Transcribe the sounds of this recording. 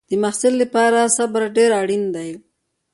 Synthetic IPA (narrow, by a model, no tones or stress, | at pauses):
d̪̥əmaxsɪlːapɑɾasabɾaɖeɾaɽind̪aj